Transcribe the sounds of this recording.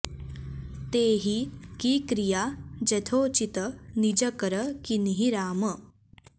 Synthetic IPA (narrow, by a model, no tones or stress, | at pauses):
t̪eːɦikikɾijad͡ʑɐt̪ʰot͡ɕit̪ənid͡ʒəkəɾəkiniɦiɾaːmə